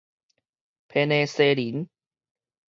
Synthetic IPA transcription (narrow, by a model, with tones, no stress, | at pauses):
pʰe˧ne˧se˧li˨˦n